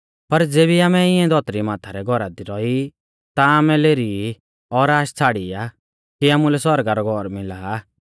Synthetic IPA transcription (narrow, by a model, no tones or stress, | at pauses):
pɐɾd͡zeːbiaːmɛɪɛ̃d̪ɔt̪ɾimaːt̪ʰaɾɛɡʱɔɾad̪iɾɔi | t̪aaːmɛleːɾii | ɔɾaːʃt͡sʰaːɽia | kiaːmulɛswɔɾɡaɾɔɡʱɔɾmɪlaː